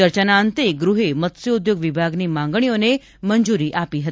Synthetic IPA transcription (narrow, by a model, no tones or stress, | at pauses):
əɾt͡ɕənant̪eɡɾuɦemət̪seud̪joɡʋibʱaɡniːmãŋɡɳ̃ijone | mənd͡zuɾiːʔapiːɦət̪